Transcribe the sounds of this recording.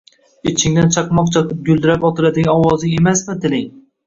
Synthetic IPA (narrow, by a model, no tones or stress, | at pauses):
ɪt͡ʃʰɪŋd̪ant͡ʃʰɑqmɒq̚t͡ʃʰɑqʰɨp̚ɡʲʊlˠd̪ɪɾapɒt̪ʰɪlad̪ɪɡʲaɒwɒzɪe̞masmɪt̪ʰɪlɪŋ